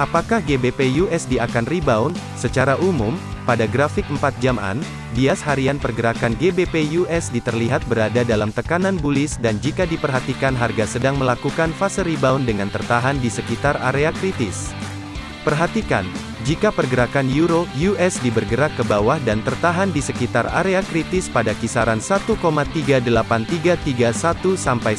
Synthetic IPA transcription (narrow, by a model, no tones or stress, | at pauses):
ʔapakahɡebepejuʔɛsdiakanribaun | sət͡ʃaɾaʔumumpadaɡɾafɪk̚əmpat̪̚d͡ʒama̰n | biashaɾianpərɡəɾakanɡebepejuʔɛsdit̪ərliɦat̪̚bəɾadadalamt̪əkananbulɪsdand͡ʒikadipərɦat̪ikanɦarɡasədaŋməlakukanfasəribaundəŋant̪ərt̪aɦandisəkit̪ara̰ɾeakɾit̪ɪs | pərɦat̪ika̰n | d͡ʒikapərɡəɾakanjuɾojuʔɛsdibərɡəɾakːəbawahdant̪ərt̪aɦandisəkit̪ara̰ɾeakɾit̪ɪspadakisaɾansat̪ukomat̪iɡadəlapant̪iɡat̪iɡasat̪usampaj